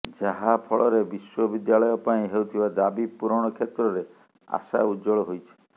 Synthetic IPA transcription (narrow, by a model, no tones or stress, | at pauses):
d͡ʒaɦapʰɔɭɔɾebiswɔbid̪jalɔjɔpaĩɦewt̪ʰibad̪abipuɾɔɽ̃ɔkʰet̪ɾɔɾe | a̰sa̰ud͡ʒɔɭɔɦojt͡ʃʰi̥